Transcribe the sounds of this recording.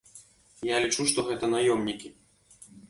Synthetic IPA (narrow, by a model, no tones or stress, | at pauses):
jalʲit͡ʂuʂt̪ɔɣɛt̪ɐnajɔmnʲikʲi